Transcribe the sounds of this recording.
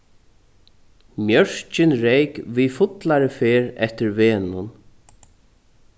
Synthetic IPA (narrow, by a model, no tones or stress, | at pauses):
mjœɹ̥t͡ʃɪnɾejkvifʊt̪laɾɪfeːɾɛ̰ht̪ɪɾvɛːnʊn